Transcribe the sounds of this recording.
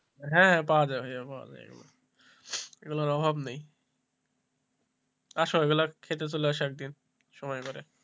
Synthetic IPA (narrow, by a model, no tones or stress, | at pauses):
ɦɛ̃ɦɛ̃paoad͡ʑaeɦopaɦa̰d͡ʑa̰jḛɡṵla̰ | eɡulaɾɔbʱabnej | aʃoeɡulakʰet̪et͡ɕoleaʃɛk̚d̪in | ʃɔmɔjkɔɾe